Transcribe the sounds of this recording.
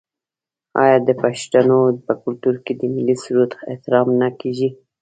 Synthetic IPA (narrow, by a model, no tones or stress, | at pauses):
ɑ̰jɑd̪əpaʃʈ̪anopəkʊlt̪uɾked̪əmɪlisuɾut̪ḛt̪ɪɾɑmnakeʒi